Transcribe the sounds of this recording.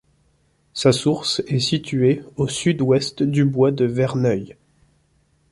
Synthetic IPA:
sasuʁsɛsit̪yeosyd̪wɛst̪d̪ybwad̪əvɛʁnœj

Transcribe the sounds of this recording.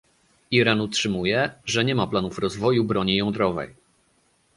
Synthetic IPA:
iɾanutʂɘmujɛʐɛɲɛmaplanufɾɔzvɔjubɾɔɲijɔ̃nd̪ɾɔvɛ̰j

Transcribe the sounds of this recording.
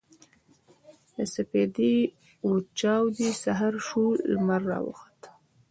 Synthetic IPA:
d̪əsaped̪i | ut͡ʃɑwd̪isaɦaɾʃulːmaɾːɑ̰wə̰xḁt̪

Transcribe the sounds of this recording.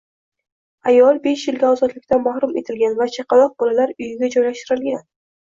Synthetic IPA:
ajɒlˠbe̞ʃjɪlɡʲaɒzɒt̪lɪkʲt̪amahɾʊme̞̰t̪ʰɪlɡʲanvat͡ʃʰɑqʰɑlˠɒq̚bɒlalaɾʊjɪɡʲad͡ʒɒjlaʃt̪ɪɾɪlɡʲan

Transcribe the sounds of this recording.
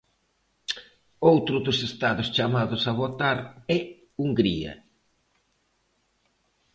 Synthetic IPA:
owt̪ɾʊðʊsest̪aðʊst͡ʃamaðʊsaβot̪aɾɛ | uŋɡɾiɐ̰

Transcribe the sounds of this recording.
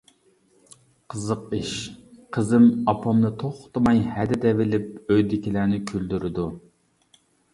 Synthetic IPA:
qʰəzəqiʃqʰəzɪmɑpʰɑmnɨt̪ʰoχʊ̥t̪mɑjhɛd̪ɪd̪ɛvɪlɪp̚øjd̪ɪkʲilæːnɪkʲʰyld̪yɾɪd̪u

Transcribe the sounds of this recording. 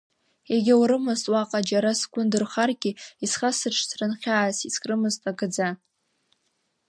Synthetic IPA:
jaɡʲɪwɾɨmɨztʼwaqʼad͡ʒaɾasɡʷʼʊndɨrχarɡʲiisχasɨʈ͡ʂʰsʰrɨnχʲaːsiskʼrɨmɨztʼaɡɨd͡za

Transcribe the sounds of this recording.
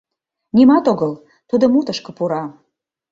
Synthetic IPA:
nimɑt̪oɣəl | t̪ud̪ŏmut̪əʃkɤ̆puɾɑ

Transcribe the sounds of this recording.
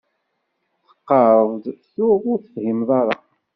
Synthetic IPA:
θə̥qːəɾˤəvd̪çʊðʊɾθəfhimðˤɑɾˤɑ

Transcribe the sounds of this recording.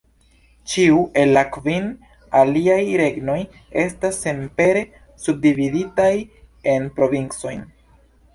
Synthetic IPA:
t͡ʃiuʔe̞lːakvin | aliajɾe̞ɡno̞j | e̞stasːe̞mpe̞ɾe̞ | sub̚dividitaj | e̞npɾo̞vint͡so̞jn

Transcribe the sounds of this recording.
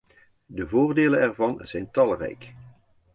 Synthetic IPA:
dəvoːrdeːlənɛrvɑnz̥ɛjntɑlˠrɛ̰jk

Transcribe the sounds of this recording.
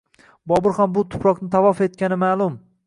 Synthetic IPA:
bɒbɪɾhambʊt̪ʰʊ̥pɾɒqnɪt̪ʰavɒfe̞t̪kʲanɪmaːlˠʊm

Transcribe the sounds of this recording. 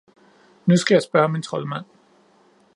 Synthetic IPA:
nusɡ̥æjɑ̈ɪsb̥ɶɐmint͡sʰʁɒ̽lmæn̰

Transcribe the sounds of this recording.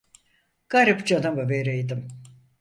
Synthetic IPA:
ɡ̥aɾɯpd͡ʒanamɯveɾejd̪ɯm

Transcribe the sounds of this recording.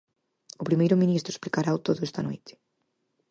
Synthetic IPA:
ʊpɾimejɾʊmĩnist̪ɾʊesplikaɾawt̪oðʊɛst̪ano̰jt̪ɪ̥

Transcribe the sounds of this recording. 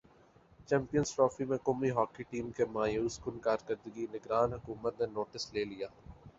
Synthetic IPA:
t͡ʃɛ̃ːmpijənzʈɾɔːfimẽkomiɦɔːkiʈiːmkemãːjuʊskʊnkaːɾkəɾd̪əɡinɪɡɾaːnɦʊkuːmət̪nenoːʈɪsleːlijaː

